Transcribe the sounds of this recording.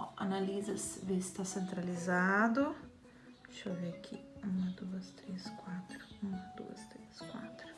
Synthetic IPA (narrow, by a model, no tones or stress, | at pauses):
a̰nalizɐsvist̪asent̪ɾalizad̪ʊ | ʃɔviakʰḭumɐd̪uɐst̪ɾeskwat̪ɾʊumɐd̪ṵɐ̰st̪ɾeskwa̰t̪ɾʊ̥